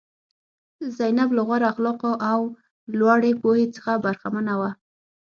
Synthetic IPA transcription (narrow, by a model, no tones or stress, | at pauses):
zajnablaɣwaɾaxlɑqoʔaw | lwɑɽepohet͡sə̥xabaɾxamanawa